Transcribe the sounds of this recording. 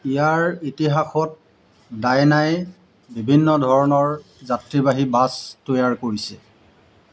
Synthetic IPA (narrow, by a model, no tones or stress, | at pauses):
ijaɹitiɦaxɔt̚ | dajnaj | bibʱinːɔdʱɔɹɔnɔɹ | zatɹibaɦibastojaɹkoɹisɛ